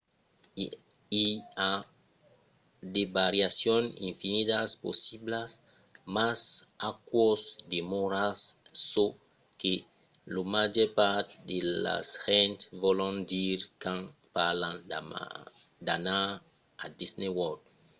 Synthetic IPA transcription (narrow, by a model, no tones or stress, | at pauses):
ia | d̪ebaɾjasjonḭ̃ɱfinit̪aspo̰siblas | masakwosd̪emoɾasːo | ke | lomad͡ʒɛɾpaɾt̪d̪ela̰shɛ̃nt̪vɔlõnd̪iɾkãnpalãn | d̪ana | ad̪isnewɔɾd̪